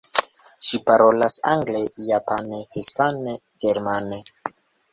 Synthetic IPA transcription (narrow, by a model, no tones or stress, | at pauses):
ʃipaɾo̞lasa̰ŋɡlejapanehispane | ɡeɾmane